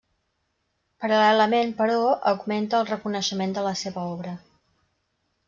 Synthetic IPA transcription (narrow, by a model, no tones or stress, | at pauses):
pəɾəlɛləmenpəɾɔʔəɡment̪əːlˠrəkunəʃəmend̪ələseβəɔβɾə